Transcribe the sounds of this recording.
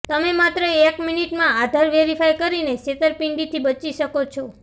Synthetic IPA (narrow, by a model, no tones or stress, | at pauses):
t̪əmemat̪ɾəekminiʈmãad̪ʱaɾʋeɾifʰajkəɾineset̪əɾpiɳɖit̪ʰibət͡ʃiʃəkot͡ʃʰo